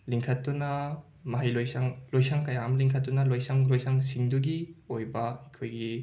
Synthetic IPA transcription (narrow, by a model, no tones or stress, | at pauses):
liŋkʰɐtːunɐ | mɐɦajlojsaŋlojsaŋkɐjamliŋkʰɐt̚ːunɐlojsaŋlojsaŋsiŋduɡiojbɐɐkʰojɡi